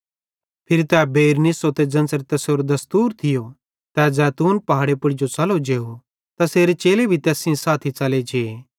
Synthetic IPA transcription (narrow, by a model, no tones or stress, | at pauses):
pʰɪɾit̪ɛbeːɾnɪsot̪ed͡zɐ̃nsəɾt̪ɛːsoːɾod̪ɐst̪uːɾt̪ʰɪjo | t̪ɛzɛːt̪uːnpɐɦaːɽepʊɽɪd͡ʒot͡sɐlod͡ʒeːo | t̪aseːɾet͡ʃeːlebʱit̪ɛːsĩsaːt̪ʰit͡sɐled͡ʒeː